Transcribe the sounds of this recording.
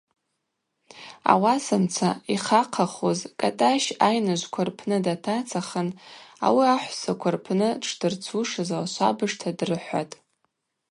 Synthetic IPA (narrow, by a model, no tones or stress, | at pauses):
a̰wasɨmt͡sʰaiχaqʰaχozkʼatʼaʃajnɨʒʷkʷʰarpʰnɨdatʰat͡sʰaχəna̰wiaħʷsakʷʰarpʰnɨʈ͡ʂʰdɨrt͡sʰuʂɨzalaʃʷa̰bɨʂtʰadrɨħʷa̰tʼ